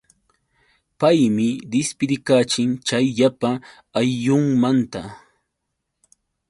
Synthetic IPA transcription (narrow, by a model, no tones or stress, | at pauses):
pajmɪd̪ɪspɪɾɪkaːt͡ʃɪŋt͡ʃajʎapaː | jːʊŋmant̪a